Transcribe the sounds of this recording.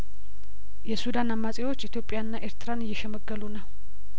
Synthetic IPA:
jɛsud̪anamːasʼewo̞t͡ʃːit̪ʰjo̞pʼːɪjaɨnːaʔe̞ɾt̪ʰɨɾanɨjːɛʃɛməɡːəlunəw

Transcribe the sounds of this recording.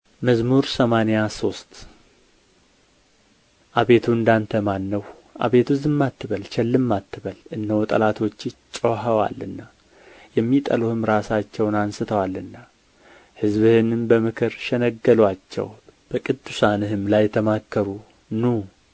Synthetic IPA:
məzmuɾsəmanejaso̞st̪ | ʔaβe̞t̪ʰuɨnd̪ant̪ʰəmanːəw | ʔa̰βe̞t̪ʰuzɨmːat̪ʰːɨβəlt͡ʃʰɛlːɨmːat̪ːɨβəlɨnːəwt̪ʼə̰lat̪ʰo̞t͡ʃːɪt͡ʃʼəɦəwa̰lɨnːa | jɛmːit̪ʼə̰luhɨmɾasat͡ʃːɛwnansɨt̪ʰəwalɨnːa | hɨzβɨhɨnɨnbəmɨkʰɨɾʃɛnəɡːəlwat͡ʃːɛ̰wb̥əkʼɨd̪ːusanɨɦɨmlajɛt̪ʰəmakːəɾu | nu

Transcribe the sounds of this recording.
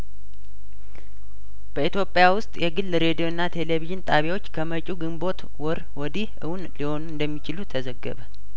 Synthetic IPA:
b̥əit̪jo̞pʼjawʊst̪ʼjɛɡɨlːɾe̞d̪ijo̞ɨnːat̪ʰe̞le̞viʒɨnt̪ʼaβjawo̞t͡ʃːkʰəmət͡ʃʼuɡɨmbo̞t̪ | wɔɾwɔd̪ihʔɨ̰wunliho̞nuɨnd̪əmːit͡ʃɪlut̪ʰəzəɡːə̰βə

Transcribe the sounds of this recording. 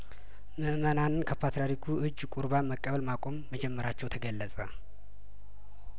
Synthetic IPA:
mɨʔmənanɨnkʰəpʰat̪ɾaɾikʰuʔɨd͡ʒːkʼuɾbaməkʼːəβəlmakʷʼo̞mːəd͡ʒɛmːəɾat͡ʃːɛwt̪ʰəɡəlːəsʼə̰

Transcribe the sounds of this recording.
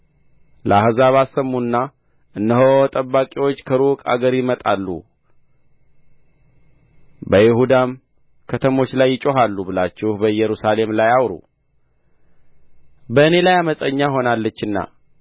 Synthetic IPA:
ləahzaβasːəmːunːa | ʔɨnːəɦot̪ʼəbːakʼiwo̞t͡ʃːkʰəɾukʼa̰ɡəɾjɪmət̪ʼalːṵ | bəjɪhud̪am | kʰət̪ʰəmo̞t͡ʃːlajːɪt͡ʃʼo̞ɦalːubɨlat͡ʃːɪhbəjːɛɾusale̞mlajawɾṵ | bəɨne̞lajaməsʼəɲːaɦo̞nalːət͡ʃːɨnːa̰

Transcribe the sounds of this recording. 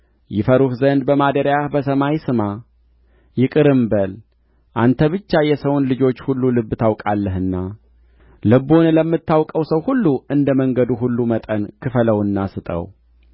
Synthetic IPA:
jɪfəɾuhzənd̪bəmad̪əɾjahbəsəmajsɨma | jɪkʼɨɾɨmbəl | ʔant̪ʰəβɨt͡ʃːajɛsəwunlɨd͡ʒo̞t͡ʃːhulːulɨbːɨt̪ʰawkʼalːəɦɨnːa | lɨbonləmːɨt̪ːawkʼəwsəwhulːuɨnd̪əməŋɡəd̪uɦulːumət̪ʼənkʰɨfələwɨnːasɨt̪ʼə̰w

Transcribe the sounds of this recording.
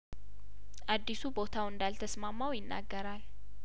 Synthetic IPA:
ʔad̪ːisubo̞t̪ʰawɨnd̪alt̪ʰəsmamːawjɪnːʔa̰ɡːəɾal

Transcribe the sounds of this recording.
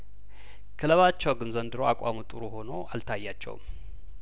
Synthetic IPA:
kʰɨləβat͡ʃːɛwɡɨnzənd̪ɨɾowakʼamut̪ʼɨɾuho̞no̞alt̪ʰajːat͡ʃːɛ̰w̰m

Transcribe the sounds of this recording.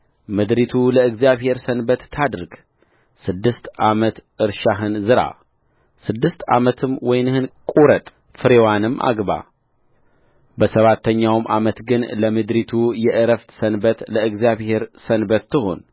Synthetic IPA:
mɨd̪ɾit̪ʰuləɨɡzjaβhe̞ɾsənbət̪ːʰad̪ɾɨɡ | sɨd̪ːɨst̪ʔamət̪ʔɨɾʃaɦɨnzɨɾa̰ | sɨd̪ːɨst̪a̰mət̪ʰɨmwɔjnhɨnkʼuɾət̪ʼ | fɨɾewanɨmːʔa̰ɡba̰ | bəsəβat̪ʰːəɲːawmʔamət̪ɡɨnləmɨd̪ɾit̪ʰujɛʔɨɾəft̪sənbət̪ləɨɡzijaβhe̞ɾsənbət̪ːɨɦo̞̰n

